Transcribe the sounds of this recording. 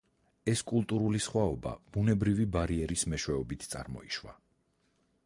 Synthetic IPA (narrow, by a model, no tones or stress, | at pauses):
ɛskʼulˠt̪ʼuɾulisχwaɔba̰b̥unɛbɾivibaɾiɛɾismɛʃwɛɔbit̪ʰt̪sʼa̰ɾmɔ̰iʃwa̰